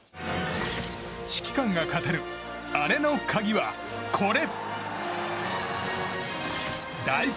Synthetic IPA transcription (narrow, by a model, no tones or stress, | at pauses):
ɕi̥kʲi̥kãŋɡakat̪aɾɯ | aɾe̞no̞kʰaɡʲiβa | kʰo̞ɾe̞ | d̪ai